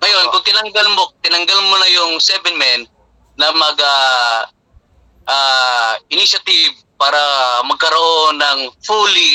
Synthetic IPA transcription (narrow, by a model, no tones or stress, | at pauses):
ŋɐjonkʊŋt̪ɪnɐŋɡɐlmot̪ɪnɐŋɡɐlmonɐjʊŋsɛbɛnmɛnː | ɐmɐɡa | ʔaɪniʃɐt̪ɪv̚ | paːɾɐmɐɡ̚kɐɾɐʔonːɐŋfuli